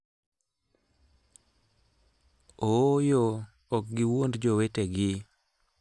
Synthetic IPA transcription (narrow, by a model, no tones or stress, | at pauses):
ojo | ɔk̚ɡɪwondd͡ʒoweteɡɪ